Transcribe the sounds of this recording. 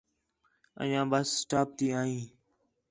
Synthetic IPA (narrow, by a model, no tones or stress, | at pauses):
ə̰̃jãːbəssʈaːp̚t̪iːaːĩː